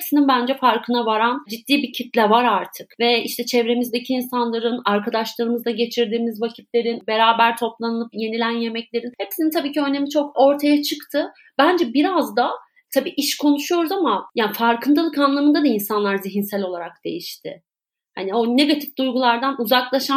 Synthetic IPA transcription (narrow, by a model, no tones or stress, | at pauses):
psininbænd͡ʒɛfaɾkʰɯnavaɾand͡ʒit̪ːiːbicʰit̪lʲɛvaɾaɾt̪ʰɯkvɛiʃt̪ʰɛt͡ʃʰɛvɾe̞mizd̪ecʰiːnsanlˠaɾɯnaɾkʰad̪aʃlˠaɾɯmɯzd̪aɟe̞t͡ʃʰiɾd̪iːmizvacʰit̪lʲe̞ɾinbe̞ɾaːbæɾt̪ʰo̞plˠanɯlˠɯpje̞nilʲænje̞mɛclʲe̞ɾinhepsinint̪ʰabiːcʰiøne̞mit͡ʃʰo̞ko̞ɾt̪ʰajat͡ʃʰɯkt̪ʰɯ | bænd͡ʒɛbiɾazd̪a | t̪ʰabiːʔiʃkʰo̞nuʃujo̞ɾuzamajaːnfaɾkʰɯnd̪alˠɯkanlˠamɯnd̪ad̪ainsanlˠaɾziɦinsælʲo̞lˠaɾakd̪̥e̞̰jiʃt̪ʰɪ̰ | ha̰nio̞ne̞ɡat̪ʰifd̪ujɡulˠaɾd̪anuzaklˠaʃa